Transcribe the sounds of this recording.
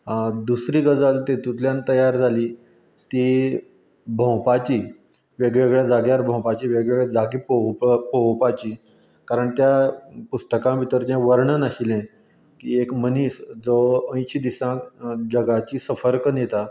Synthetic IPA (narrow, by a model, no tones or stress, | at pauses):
d̪usɾiːɡəd͡zalt̪et̪ut̪ljãnt̪əjaɾd͡zʱaliː | t̪i | bʱə̃wpat͡ɕiː | ʋeɡɭeɡɭjad͡zaɡjaɾbʱə̃w̃pat͡ɕiːʋeɡɭeɡɭjad͡zaɡipopowpat͡ɕiː | kaɾəɳt̪japust̪əkãʋit̪əɾd͡ʑɛ̃ʋəɾɳənəɕilɛ̃ | kiekməniːsd͡zəə̃j̃ɕid̪isãd͡ʑəɡat͡ɕiːsəfəɾknjet̪a